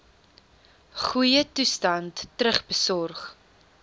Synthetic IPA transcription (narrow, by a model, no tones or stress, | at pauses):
χujətustɐntːrəχbəsɔrχ